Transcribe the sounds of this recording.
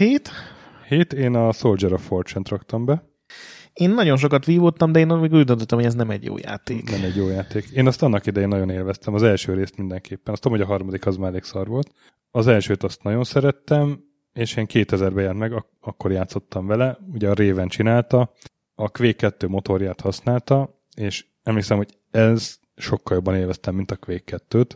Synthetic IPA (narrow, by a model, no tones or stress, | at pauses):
heːt̪ | heːt̪eːnɒso̞ld͡ʒɛɾofort͡ʃɛnt̪rɒkt̪ɒmbɛ | eːnːɒɟo̞nʃ̬okɒt̪ʋiːvot̪ːɒmd̪ɛeːnmeːɡuːɟd̪ont̪ot̪ɔmhoɟɛznɛmɛ̰ɟjo̰ːja̰ːt̪eːknɛmɛɟːjoːjaːt̪eːkeːnɒst̪ɒnːɒkid̪ɛjeːnːɒɟo̞neːlvɛst̪ɛmɒzɛlʃøːɾeːst̪mind̪ɛŋkʰeːpːɛnɒst̪oɒmhoɟɒɦɒrmɒd̪ikɒzmaːɾleːksɒrʋo̞lt̪ | ɒzɛlʃøːt̪ɒst̪nɒɟo̞nsɛɾɛt̪ːɛm | eːʃeːŋkeːt̪ɛzɛrbɛjɛnt̪mɛɡɒ | ɒkːo̞rjaːt̪so̞t̪ːɒɱvɛlɛuɟɛɒɾeːvɛnt͡ʃinaːlt̪ɒ | ɒkʋeːkːɛt̪ːøːmo̞t̪o̞rjaːt̪hɒsnaːlt̪ɒ | eːʃ | ɛmleːksɛmho̞ɟ | ɛz | ʃo̞kːɒljobːɒneːlvɛst̪ɛmːint̪ɒkʋeːkːɛt̪ːøːt̪